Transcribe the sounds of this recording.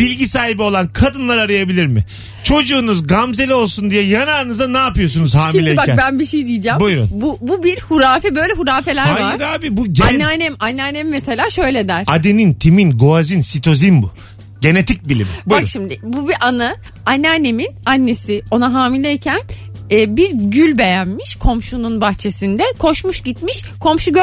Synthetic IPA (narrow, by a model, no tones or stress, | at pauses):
b̥ilʲɟisaːhibio̞lˠankʰad̪ɯnlˠaɾaɾajabilʲiɾmɪ | t͡ʃʰo̞d͡ʒuːnuzɡamze̞lʲɛo̞lˠsund̪ijɛjanaɾɯnɯzanaːpɯjo̞s̬unuzhaːmilʲɛbakbænbiʃejid̪ijid͡ʒaːmbujɾunbububiɾhuɾaːfɛbø̞jlʲɛɦuɾaːfe̞lʲæɾajaɯɾɾaːbibuɟanːɛanɛmanːɛanemimese̞lʲaːʃø̞jlʲed̪æɾ̥ad̪enint̪ʰiminɡo̞azinsit̪ʰo̞zinbu | ɟe̞net̪ʰic̚bilʲḭmḭbuakɾʃimd̪ɪbubiʔanɯ | anːɛanːeminanːe̞sio̞naɦaːmilʲɛːcʰænɛːbiɾɟylʲbe̞jænmiʃkʰo̞mʃununbaxt͡ʃʰe̞sind̪ɛkʰo̞ʃmuʃɟit̪miʃ | kʰo̞mʃuɟø